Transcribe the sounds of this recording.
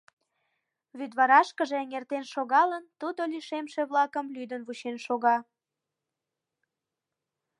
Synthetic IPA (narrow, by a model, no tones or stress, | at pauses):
βyd̪βɑɾɑʃkəʒeəŋert̪enʃoɣɑlənt̪ud̪oliʃemʃeβlɑkəmlyd̪ənβut͡ɕenʃoɣɑ